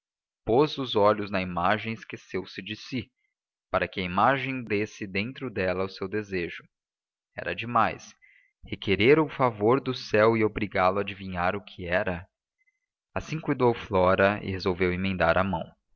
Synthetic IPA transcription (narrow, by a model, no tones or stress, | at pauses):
pozʊzɔʎʊznɐimaʒẽj̃ɪskesewsɪd͡ʒɪsi | paɾɐkɪɐimaʒẽj̃d̪esɪd̪ẽnt̪ɾʊd̪ɛlɐʊsewd̪ezeʒʊ | ɛ̰ɾɐ̰d͡ʒɪmajs | hekeɾeɾʊfavoɾd̪ʊsɛwɪobɾiɡalʊad͡ʒivĩɲaɾʊkʰɪɛɾɐ | asĩkujd̪owflɔɾɐɪ̰hezowvewẽmẽnd̪aɾɐmɐ̃w̃